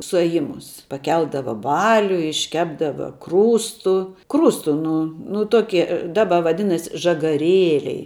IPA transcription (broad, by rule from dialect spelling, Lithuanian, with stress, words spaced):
sʊɐˈjɪmʊs pɐˈkʲɛlˠdɐʋɐ ˈbɑːlʲʊ ɪʃʲˈkʲæːbdɐʋɐ ˈkruːstʊ ˈkruːstʊ ˈnʊ nʊ ˈtoːkʲɪ ˈdɑːbɐ ʋɐˈdʲɪnɐsʲ ʒɐɡɐˈrʲeːlʲɛɪ